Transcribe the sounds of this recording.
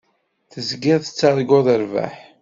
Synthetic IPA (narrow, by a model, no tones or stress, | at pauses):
θəzɡɪðˤət͡sːaɾˤɡoðəɾvæ̰ħ